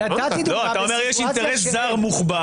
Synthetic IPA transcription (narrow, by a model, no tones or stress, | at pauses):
loat̪aomeʁjɛʃint̪eʁeszaʁmuχba